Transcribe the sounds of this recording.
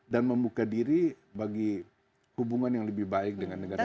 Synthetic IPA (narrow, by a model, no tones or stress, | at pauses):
danməmbukadiɾi | baɡi | hubuŋanjaŋləbɪhbaɪk̚dəŋanːəɡa